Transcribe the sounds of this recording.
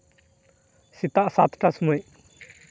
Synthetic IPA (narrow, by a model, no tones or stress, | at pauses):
sit̪aʔsat̪ʰʈasmuj